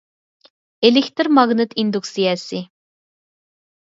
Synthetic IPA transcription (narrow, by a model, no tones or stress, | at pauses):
elɪkʲt̪ɨɾmɑɣnɨt̪ʰind̪uksijɑsi